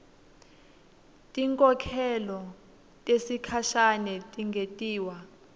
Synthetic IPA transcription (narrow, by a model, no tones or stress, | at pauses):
tʼiŋkʼɔkʰɛlɔ | tʼesikʰaʃanɛtʼiŋɡʱetʼiːwa